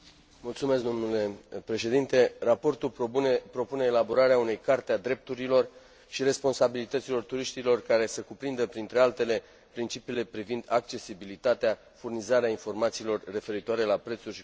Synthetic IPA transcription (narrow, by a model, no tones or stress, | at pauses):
mult̪sumesk̚d̪o̞mnule̞pɾe̞ʃe̞d̪int̪e̞rapo̞rt̪upɾo̞pune̞ːlabo̞ɾaɾeaune̞jkart̪ead̪ɾe̞p̚t̪uɾilo̞r | ʃiɾe̞spo̞nsabilit̪ət̪silo̞rt̪uɾiʃt̪ilo̞rkaɾe̞səkupɾind̪əpɾint̪ɾe̞alt̪e̞le̞ | pɾint͡ʃipiːle̞pɾivind̪ak̚t͡ʃe̞sibilit̪at̪ea | furnizaɾeainfo̞rmat̪siːlo̞rːe̞fe̞ɾit̪oaɾe̞lapɾe̞t̪surʲʃi